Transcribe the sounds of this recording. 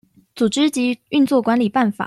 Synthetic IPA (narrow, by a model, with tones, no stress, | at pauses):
t͡su˨˩ʈ͡ʂɻ̩˥t͡ɕi˧˥y˥˧nt͡swɔ˥˩kwa˧˥nli˨˩pa˥˩nfa̰˨˩˦